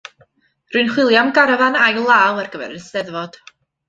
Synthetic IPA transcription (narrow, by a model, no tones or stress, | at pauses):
rʊɨnχwɪlˠjamɡaɾvanajlˠaːwarɡəvɛ̰ɾənsɛðvɔd̥